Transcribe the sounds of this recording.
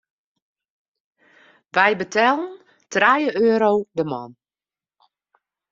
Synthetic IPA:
ʋɛjbətʰaːlˠən | trajəøːɾowdəmɔ̰n

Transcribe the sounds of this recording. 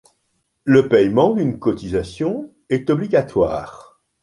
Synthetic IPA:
ləpɛjmɑ̃d̪ynkɔt̪izasjɔ̃ | ɛt̪ɔbliɡat̪wa̰ːʁ

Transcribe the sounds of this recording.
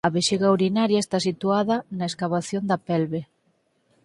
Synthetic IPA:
ɐβeʃiɣauɾinaɾjaest̪asit̪uaðɐnaeskaβaθjond̪ɐpɛlβe

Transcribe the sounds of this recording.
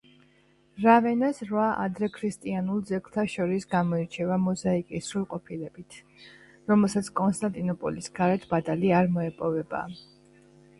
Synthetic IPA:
ɾavɛnasɾvaʔa̰d̪ɾɛkʰɾist̪ʼianulˠd̪zɛkʰt̪ʰaʃɔɾisɡamɔiɾt͡ʃʰɛvamɔzaikʼisɾulˠqʼɔpʰilɛb̥it̪ʰ | ɾɔmɛlˠsat̪sʰkʼɔnst̪ʼant̪ʼinɔpʼɔ̰lisɡaɾɛt̪ʰb̥at̪ʼaliaɾmɔɛpʼɔvɛba̰

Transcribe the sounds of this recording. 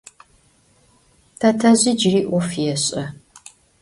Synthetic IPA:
tʰɐtʰɐʑid͡ʒriːʔʷɔfjɛɕʼɐ

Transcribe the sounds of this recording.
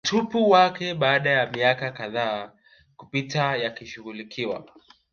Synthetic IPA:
m̩tʰupuwakɛɓaːɗajamiakakaðaː | kupitajakiʃuɣulikʰiwa̰

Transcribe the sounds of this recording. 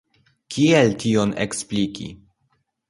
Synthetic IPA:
kieltio̞nḛksplikḭ

